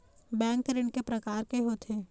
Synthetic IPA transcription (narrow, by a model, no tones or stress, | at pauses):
bɛ̃ːŋkɾɪɳkepɾɐkaːɾkeɦoːt̪ʰeː